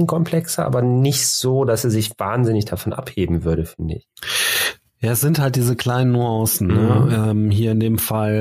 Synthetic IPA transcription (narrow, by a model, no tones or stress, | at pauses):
n̩kʰɔmpʰl̥ɛksɐʔa̰ːbɐnɪçtz̥oːdasezɪçv̥aːnzɪnɪçd̥afɔnʔa̰pheːbm̩vʏɐɾəfɪndəɪç | jaːɛsz̥ɪnthalt̚d̥iːzəkʰl̥aɪnənːuɑ̃sn̩nəɛːmɦiːɐɪndeːmfal